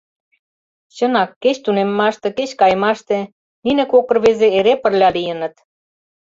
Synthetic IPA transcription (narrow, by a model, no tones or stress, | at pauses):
t͡ɕənɑkːet͡ɕt̪unemːɑʃt̪ĕket͡ɕkɑjmɑʃt̪ĕ | ninĕkokɤ̆rβezeeɾepə̆rlʲɑlijə̆nə̆t̪